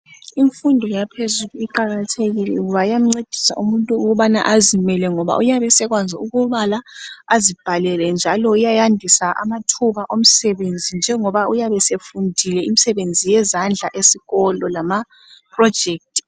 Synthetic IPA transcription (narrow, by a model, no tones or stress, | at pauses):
iɱfundʱɔjapʰezuluiǃaɣatʰeɣilɛ̰uɣuβajam̩ŋ͡ǀed̥ʱi̥sa̰ʔumuntʼuuɣuβana̰ʔazimɛlɛŋɔβa̰ʔujaβɛsɛɣwand͡zʱiuɣuβalaazib̥ʱalɛlɛnd͡ʒʱalɔujajandʱisaʔa̰matʰuβaʔom̩sɛβend͡zʱind͡ʒʱɛŋɔβaujaβɛsefundʱilɛimisɛβend͡zʱijɛzand͡ɮʱaʔesiɣɔlɔlama | pʰrɔ̥d͡ʒʱeːk̚tʼi̥